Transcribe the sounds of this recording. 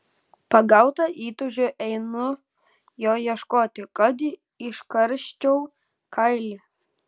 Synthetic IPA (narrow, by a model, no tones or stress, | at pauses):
pɐɡɑʊt̪ɐʔiːt̪ʊʒʲoʔɛɪnʊ | joːjɛʃkoːt̪ʲɪkʼɐd̪ʲi | ɪʃkɐɾʲʃʲt͡ʃʲɛʊ | kʰɑɪlʲi